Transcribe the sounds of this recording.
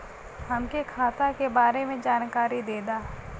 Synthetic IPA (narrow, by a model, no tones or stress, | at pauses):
ɦɐmkekʰaːt̪akebaːɾemẽd͡ʒaːnkaːɾid̪eːd̪aː